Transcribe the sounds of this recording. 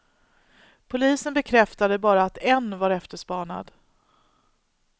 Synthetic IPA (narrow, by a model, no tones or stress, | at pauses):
pʰʊliːsənbɛkʰɾɛft̪ad̪əbɑːɾaːt̪ɛnːvaɾɛft̪əʂpɑːɳa̰d̪